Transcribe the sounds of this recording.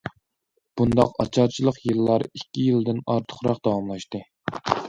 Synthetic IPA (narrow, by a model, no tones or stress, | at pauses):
b̥und̪ɑqɑt͡ʃʰɑɾt͡ʃʰilˠəqjɨlˠːɑɾikʲːijild̪ɪnɑ̰ɾt̪ʰə̥χɾɑqd̪̥ɑwɑmlˠɑʃt̪ɨ